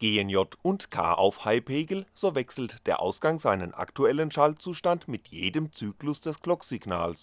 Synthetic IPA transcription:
ɡ̥eːənjɔtʊntkʰa̰ːʔa̰ʊfhaɪpʰeːɡl̩z̥oːvɛksl̩td̥eːɐʔaʊsɡ̥aŋzaɪnənʔa̰ktuɛlənʃalt͡suːʃtantmɪtʰjeːdəmt͡syːklʊsd̥ɛsɡ̥lɔkz̥ɪɡna̰ːls

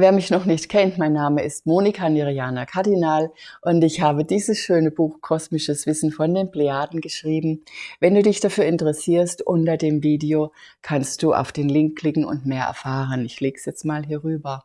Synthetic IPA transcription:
veːɐmɪçnɔχnɪçtkʰɛntmaɪnːaːməɪst̚moːnikʰaniʁiaːnɐkʰaɐdinaːlʔʊntɪçhaːbədiːzəsʃøːnəbuːxkʰɔsmɪʃəsv̥ɪsn̩fɔndeːnbleaːdn̩ɡəʃʁ̥iːbm̩vɛnduːdɪçd̥afyːɐɪntəʁɛsiːɐstʔʊntɐdeːmviːdeoː | kʰanst̚d̥uːʔa̰ʊfd̥eːnlɪŋkʰːl̥ɪkŋ̩ʊ̰ntmeːɐʔɛ̰ɐfaːʁ̞ənɪçleːɡsjɛt͡stmaːlɦiːɐʁyːbɐ

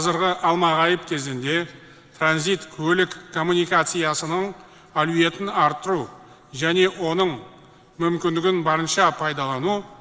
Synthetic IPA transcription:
qʰɑzəɾʁəʔɑlˠmɑʁɑjəp̚kʲʰe̞zɪnd̪e̞ | t̪ʰranzijt̪kʲʰɵlɪkkʰːo̞mːunijkat̪sɨjasənəɴ | aluje̞t̪ɪnɑɾt̪ːəɾu | ʒæne̞wo̞nəɴ | mʏmkʲɪnd̪ɪɡʲɪnbɑɾənʃɑpʰɑjd̪ɑlˠɑnu

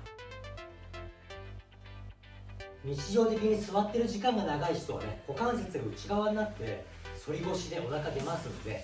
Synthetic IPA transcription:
ɲ̟it͡ɕiʑo̞ːt̪e̞k̬ʲiɲ̟isɨβat̪ːe̞ɾɯ̟ʑikãŋɡanaɡaiɕi̥t̪o̞βa̰nḛko̞kãɰ̃set͡sɨɡa̟t͡ɕiɡaβannat̪ːe̞ | so̞ɾʲibo̞ɕid̪e̞ʔo̞d̪akad̪e̞masɨnod̪e̞̰

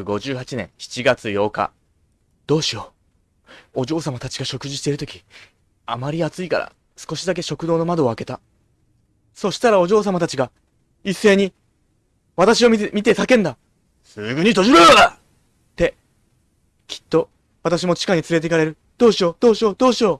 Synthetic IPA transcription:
ɡo̞ʑɨːhat͡ɕinẽ̞ɰ̃çi̥t͡ɕiɡat͡sɨjo̞ːka̰ | d̪̥o̞ːɕio̞ | oʑo̞ːsamat̪at͡ɕi̥ɡaɕo̞kɯ̟ʑiɕi̥t̪e̞iɾɯ̟t̪o̞kʲi̥ | amaɾʲiat͡sɨika̰ɾa̰ | sɨ̥ko̞ɕid̪ak̬e̞ɕo̞kɯd̪o̞ːno̞mad̪o̞ːake̞t̪a | so̞ɕi̥t̪aɾao̞ʑo̞ːs̬amat̪at͡ɕiɡa | isːe̞ːɲ̟i | β̞at̪aɕio̞mʲit̪e̞sakẽ̞nd̪a | sɨ̰ɡɯ̟ɲ̟it̪o̞ʑiɾoaɾa | t̪e̞ | kʲi̥t̪ːo̞ | βat̪aɕ̬imo̞t͡ɕi̥kaɲ̟it͡sɨɾe̞t̪̬e̞kaɾe̞ɾɯ̟ | d̪̥o̞ːɕio̞ːd̪o̞ːɕio̞ːd̪o̞ːɕio̞ː

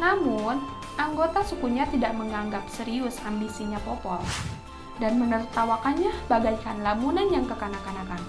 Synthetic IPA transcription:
namʊn | ʔaŋɡot̪asukuɲat̪idaʔməŋaŋɡap̚səɾiʊsambisiɲapopɔl | danmənərt̪awakanɲabaɡajkanlamunanjaŋkəkanakanakan

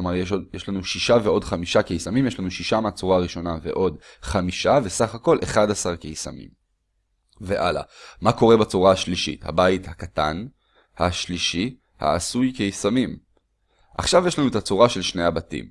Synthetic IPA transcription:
omaʁjeʃojeʃlanuʃiʃaveo̞dχamiʃakejisamimjeʃ̬lanuʃiʃameat͡suʁaːʁiʃo̞nave̞̰ʔo̞d | χamiʃavesaχako̞lʔeχadasaʁkejsa̰mḭm | ve̞ʔala̰mako̞ʁebat͡suʁahaʃliʃḭtha̰baithakatan | haʃliʃi | ha̰ːsujkejisamim | ʔa̰χʃavjeʃlanuet̪at͡suʁaʃe̞lʃne̞abatḭm

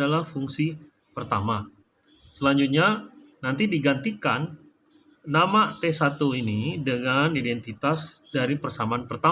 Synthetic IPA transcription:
alahfuŋsi | pərt̪ama | səlaɲd͡ʒut̪̚ɲanant̪idiɡant̪ikanː | amat̪esat̪uinidəŋanidɛnt̪it̪asdaɾipərsamaːnpərt̪a

